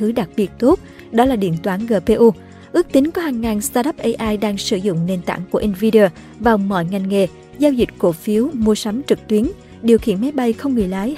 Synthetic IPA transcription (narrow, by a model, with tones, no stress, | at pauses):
ɨ˨˦ɗa˨˩k̚ɓi˨˩t̚t̪o˦˥t̚ | ɗɔ˨˦laː˨˩ɗḭ˧˨ənt̪waː˨˦nɣəː˨˧˩pe˧ʔu˧ | ʔɨ˦˥ək̚t̪ï˨˦ŋ̟kɔ˨˦haː˨˩ŋːaː˨˩nst̪aː˧ɗə˦˥p̚ʔə˧jʔaː˧jɗaː˧ŋsɨ˧˩zʊ̰˧˨ŋ͡mne˧nt̪a̰ː˧˩˨ŋku˧˩əʔi˧nvi˧ɗəː˧ | vaː˨˩wmɔ̰˧˨jŋa˨˩jŋ̟ŋḛ˨˩ | zaː˧wzï˨˩k̟̚ko˧˩fi˨˦əwmu˧əsa˨˦mt͡ɕɨ˨˩k̚t̪wi˨˦ən | ɗi˨˩əwxḭ˧˨ənma˨˦jɓa˧jxə˧wŋ͡mŋɨ˨˩əjlaː˨˦j